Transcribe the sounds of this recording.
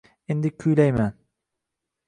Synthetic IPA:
end̪ɪkʲʰyjlajman

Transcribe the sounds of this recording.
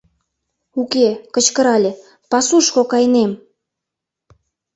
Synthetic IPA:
ukekə̆t͡ɕkə̆ɾɑlʲe | pɑsuʃkokɑjnem

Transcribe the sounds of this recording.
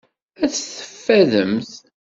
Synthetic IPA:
æθθə̥fːæðəmθ

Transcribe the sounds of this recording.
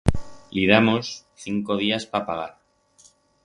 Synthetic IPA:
liðamo̞sθiŋko̞ðiaspapaɣ̞aɾ

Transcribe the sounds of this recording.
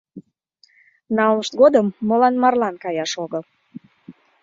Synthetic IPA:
nɑlməʃt̪̚ɡod̪əmːolɑnmɑrlɑnkɑjɑʃoɣəl

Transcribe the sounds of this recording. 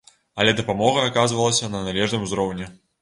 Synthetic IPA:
ɐlʲɛd̪ɐpamɔɣɐːkazvɐlˠɐsʲɐnɐnalʲɛʐnɨmuzɾɔwnʲɛ

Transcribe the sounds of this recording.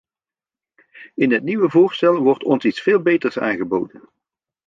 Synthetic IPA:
ɪnɦətniʋəvʊːɹstɛlˠʋɔɹtʰɔnsitsfeːlˠbejtərsa̰ːnχəbowdən

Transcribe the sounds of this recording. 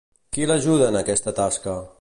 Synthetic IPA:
kilaʒuðəːnəkɛst̪ət̪askə

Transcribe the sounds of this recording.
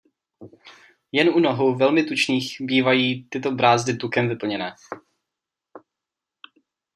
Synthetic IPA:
jɛnunoɦuvɛlmɪt̪ut͡ʃniːxbiːvajiːt̪ɪt̪obɾaːzdɪt̪ukɛmvɪpl̩ɲɛnɛː

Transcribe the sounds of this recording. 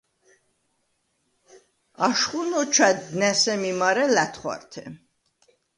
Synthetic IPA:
aʃχunɔt͡ʃʰad̪nɛsɛmimaɾɛlæt̪ʰχwa̰ɾt̪ʰɛ̰

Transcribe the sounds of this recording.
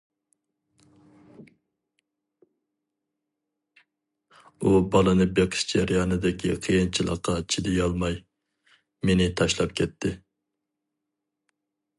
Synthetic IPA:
ubɑlˠɨnɨbeqʰɨ̥ʃd͡ʒeɾjɑːnɨd̪ɪkʲʰiqʰijɨnt͡ʃʰilˠə̰qʰːɑt͡ʃʰid̪ɪjɑlˠmɑj | menɪt̪ʰɑʃlˠɑp̚kʲʰɛt̪ʰːɪ

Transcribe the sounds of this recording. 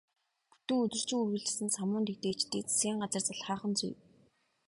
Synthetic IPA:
pu̥t̪ɘ̆ŋɵt̪ɵ̆r̥t͡ɕɪ̆ŋɵrɣɘ̆ɮɘ̆sɘ̆nsamʊːnt̪ekt̪eːt͡ɕt̪iːt͡sḁsɡʲiːŋɢat͡sərt͡saɮχaːχə̆nt͡sṵj

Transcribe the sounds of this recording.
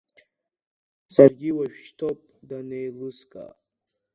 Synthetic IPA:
sarɡʲiwaʃᶣʃtʰopʼdanejlɨskʼa̰

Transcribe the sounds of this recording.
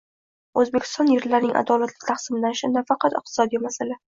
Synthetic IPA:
ɵzbe̞kʲʰɪ̥t̪ɒnjɪɾlaɾnɪŋʔa̰d̪ɒlat̪lɪkʲt̪ʰɑχsɪmɪlanʃɪnafɑqʰɑt̪ɪq̚t̪ʰɪ̥sɒd̪ijmasala

